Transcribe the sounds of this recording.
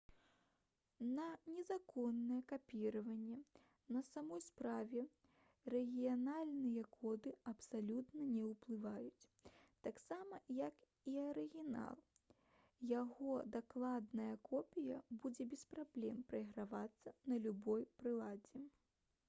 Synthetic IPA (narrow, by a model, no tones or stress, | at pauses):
nɐnʲɛzakɔnːɐjɛkapʲiɾɐvɐnʲːɛ | nɐsamɔjspɾavʲɛ | rɛɣʲijanalʲnɨjɐkʰɔd̪ɨɐpsalʲut̪nɐnʲɛwplˠɨvajut͡sʲt̪aksamɐjɐk | iɐɾɨɣʲina̰lˠ | jaɣɔd̪aklˠad̪nɐjɐkʰɔpʲijɐbud͡zʲɛbʲɛspɾablʲɛmpɾɐiɣɾavat̪sːɐnɐlʲubɔjpɾɨlˠad͡zʲɛ